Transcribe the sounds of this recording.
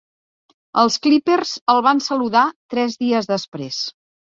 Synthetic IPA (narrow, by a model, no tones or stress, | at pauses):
əlˠskliperzəlˠβansəluðat̪ɾɛzðiəzðəspɾḛs